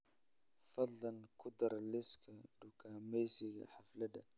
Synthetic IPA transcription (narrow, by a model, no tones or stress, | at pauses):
fɐd̪lɐnkʰʊd̪ɐɾlɪskʰɐɖʊkʰaːmɛjsɪɣɐ̰ħɑflɐd̪ɐ̰